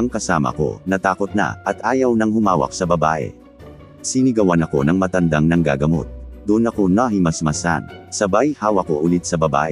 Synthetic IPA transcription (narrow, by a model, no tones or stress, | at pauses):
ɐŋkɐsaːmɐ̰ko̞̰nɐt̪aːko̞t̪̚nɐ̰ʔɐt̪ʔaːjɐwnɐŋhʊmaːwɐ̰k̚sɐbɐbaːʔɛ̰ | sinɪɡɐwanɐko̞nɐŋmɐt̪ɐnd̪aŋnɐŋɡa̰ːɡɐmo̞̰t̪̚d̪uʔnɐko̞nɐɦimɐsmɐsa̰nsɐbajhaːwɐko̞ʔʊlɪt̪̚sɐbɐba̰ːʔɛ